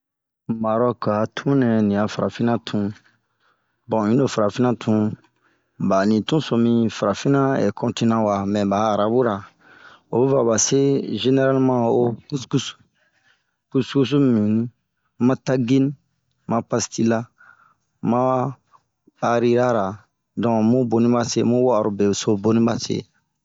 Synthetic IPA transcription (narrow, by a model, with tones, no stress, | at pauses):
ma˨ɾɔ˦ka˨tʰũ˦nɛ̃˨nĩ˨a˨fa˨ɾa˨fĩ˦nã˦tʰũ˧ | bɔ̃˨ĩ˦no˨fa˨ɾa˨fĩ˦nã˦tʰũ˧˦ | ba˨nĩ˨tũ˦sɔ̃˧mĩ˧fa˨ɾa˨fĩ˦nã˦ɛ̰˨kʰɔ̃˧nti˧nã˦wa˨mɛ̃˨ba˨ɾa˨bu˦ɾa˨ | o̰˨bu˦va˨ba˨se˦ʒe˦ne˦ɾa˦lmã˦o˦ku˦sku˦su̥˨ | ku˦sku˦s̬u˦mmĩ˨nĩ˦ | mã˦ta˦ɡi˦nĩ˦ | mã˦pa˧sti˦la˦ | mã˦ | a˧ɾi˦ɾa˦ɾa˨ | dɔ̃˨mũ˦bo˧nĩ˦ba˦sḛ˦mũ˦wa˦˨ɾu˨be˨so˦bo˦nĩ˦ba˨sḛ˦